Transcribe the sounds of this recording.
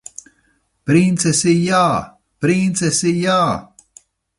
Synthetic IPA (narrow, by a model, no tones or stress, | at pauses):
pɾint̪sesijaː | pɾint̪sesijaː